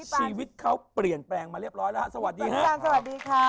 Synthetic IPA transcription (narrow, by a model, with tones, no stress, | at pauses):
t͡ɕʰiː˧wi˦˥t̪̚kʰa˦˥wpli˨˩ənplɛː˧ŋmaː˧ɾi˥˩əɾɔː˦˥jlːha˧˩sa˧wa˨˩t̪̚diː˧kʰa˦˥a˧sa˧wa˨˩t̪̚diː˧kʰa˦˥